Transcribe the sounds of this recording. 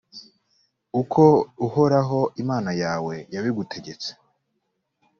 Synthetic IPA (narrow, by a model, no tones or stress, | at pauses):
ukʰouho̞ɾaɦo̞ʔimaːnajaːwe̞jaβiɡutʰe̞ɡe̞t͡se̥